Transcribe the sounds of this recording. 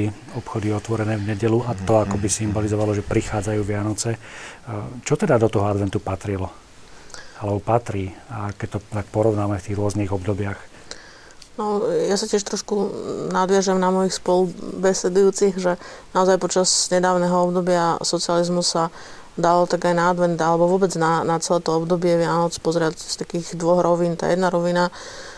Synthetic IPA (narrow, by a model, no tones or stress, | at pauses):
i | ɔpxɔd̪iɔt̪ʋɔɾɛnɛːvɲɛɟɛluat̪ɔakɔbisimbɔlizɔʋalɔʒɛpɾixaːd͡zajuːʋɪanɔt͡sɛ | t͡ʃɔt̪ɛd̪ad̪ɔt̪ɔɦɔad̪ʋɛnt̪upat̪ɾilɔ | alɛbɔpat̪ɾiːakɛc̚t̪ɔt̪ak̚pɔɾɔʊnaːmɛft̪iːɣɾʊɔzniːɣɔbd̪ɔbɪax | nɔjasacɪɛʃt̪ɾɔʃkunad̪ʋɪaʒamnamɔjixspɔlubɛsɛd̪ujuːt͡siɣʒɛnaɔzajpɔt͡ʃazɲɛd̪aːʊnɛɦɔɔbd̪ɔbɪasɔt͡sializmusːa | d̪alɔt̪aɡajnaːd̪ʋɛnd̪alɛbɔʋʊɔbɛd͡znanat͡sɛlɛːt̪ɔɔbd̪ɔbɪɛʋɪanɔt͡spɔzɾɪacst̪akiːɣd̪ʋɔɣɾɔʋiːnt̪a̰ːjɛd̪naɾɔʋina